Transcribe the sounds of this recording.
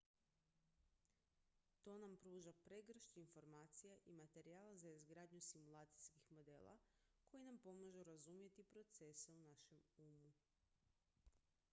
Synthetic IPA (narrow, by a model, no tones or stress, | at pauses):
t̪o̞ːnampɾuːʒapɾe̞ɡr̩ʃɲiinfo̞ɾmaːt̪sijaʔimat̪e̞ɾijaːlazaizɡɾaːd̪ɲusimulˠaːt̪si̥jskixmo̞d̪e̞̰ːlˠa̰kʰo̞jinampo̞maʒuɾazumje̞t̪ipɾo̞t̪se̞seunaʃe̞muːmu